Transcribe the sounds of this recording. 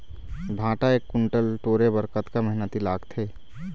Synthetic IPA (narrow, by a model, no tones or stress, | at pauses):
bʱãːʈaeːkːʊɳʈəlʈoːɾebəɾkət̪kaməɦɪnət̪ilaːɡt̪ʰeː